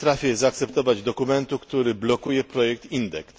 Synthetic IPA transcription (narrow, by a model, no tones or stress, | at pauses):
t̪ɾafʲjɛzaːk̚t̪sɛpt̪ɔvad͡ʑd̪ɔkumɛnt̪ukt̪uɾɘblɔkujɛpɾɔjɛk̚t̪ind̪ɛks